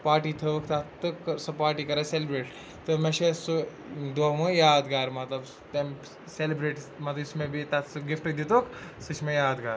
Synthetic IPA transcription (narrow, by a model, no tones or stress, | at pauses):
paːʈit̪ʰɐʋkʰt̪ɐt̪ɨkɐsɐpaːʈikɐɾaselbɾeːʈ | t̪ɨmeʃesu | d̪aːmojaːd̪ɡaːɾmɐt̪lɐb | t̪ɐm | selibɾeːʈmɐt̪lɐbɪsmẽbit̪ɐsɨɡifʈd̪it̪oːkʰsɨt͡ʃʰmẽjaːd̪ɡaːɾ